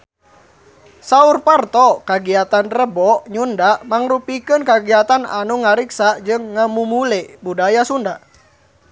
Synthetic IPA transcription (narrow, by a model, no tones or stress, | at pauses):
saurpart̪ɔkaɡiat̪anrəbɔʔɲundaʔmaŋrupikənkaɡiat̪ana̰nuŋaɾiksad͡ʒɨŋːamumulɛbudajasunda